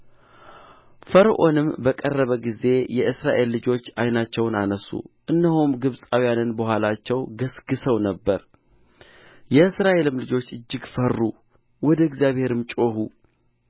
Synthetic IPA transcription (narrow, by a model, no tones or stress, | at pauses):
fəɾʔo̞nɨmbəkʼərːəβəɡize̞jɛʔɨsɾaʔe̞lːɨd͡ʒo̞t͡ʃːajnat͡ʃːɛwnanəsṵʔɨnːəhumɡɨβsʼawijanɨnbəhʷalat͡ʃːɛwɡəsɡɨsəwnəbːəɾ | jɛɨsɾaʔe̞lɨmlɨd͡ʒo̞t͡ʃːɨd͡ʒːɪɡfərːu | wɔd̪əɡzjaβhe̞ɾɨmt͡ʃʼo̞hu